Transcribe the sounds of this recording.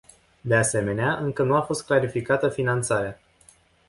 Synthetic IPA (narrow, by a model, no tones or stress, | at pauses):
d̪e̞ase̞me̞neaʔɨŋkənuafo̞st̪klaɾifikat̪əfinant̪saɾea